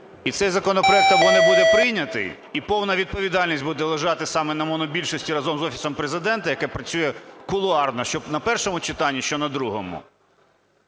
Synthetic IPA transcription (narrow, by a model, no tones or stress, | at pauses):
it̪sɛjzɐkɔnɔpɾɔɛk̚t̪ɐbɔnɛbud̪ɛpɾɪjnʲɐt̪ɪ̰j | ipɔwnɐʋʲid̪̚pɔʋʲid̪ɑlʲnʲisʲtʲbud̪ɛlˠɐʒɑt̪ɪsɑmɛnɐmɔnɔbʲilʲʃɔsʲtʲiɾɐzɔmzɔfʲi̥sɔmpɾezɪd̪ɛnt̪ɐjɐkɛpɾɐt͡sʲujɛkʊlˠʊɑrnɔʃt͡ʃɔnɐpɛrʃɔmʊt͡ʃɪt̪ɑnʲːiʃt͡ʃɔnɐd̪ɾuɦɔ̰mʊ̰